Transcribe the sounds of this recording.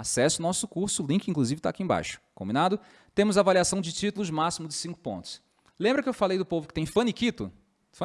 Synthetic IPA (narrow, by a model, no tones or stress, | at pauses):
asɛsɪʊnɔsʊkuɾsʊlĩkɪĩŋkluzivɪt̪a̰ːkiẽba̰jʃʊ̥kõbinad̪ʊ | t̪ẽmʊzavaliasɐ̃w̃d͡ʒɪt͡ʃit̪ʊlʊzmasimʊzd͡ʒɪsĩŋkʊ̥põ̰nt̪ʊ̥s | lẽbɾɐkɪewfalejd̪ʊpovʊkɪ̥t̪ẽj̃fɐ̃nikit̪ʊ | fɐ̃